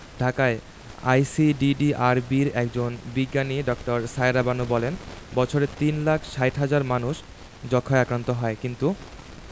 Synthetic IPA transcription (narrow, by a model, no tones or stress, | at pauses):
ɖʱakae | a̰jsiɖiɖiaɾbiɾɛkd͡ʑonbiɡːaniɖɔkʈoɾsaeɾabanubɔlenbɔt͡ɕʰoɾet̪inlakʰʃajʈɦad͡ʑaɾmanuʃ | d͡ʑɔkʰːaeakɾant̪oɦɔekint̪u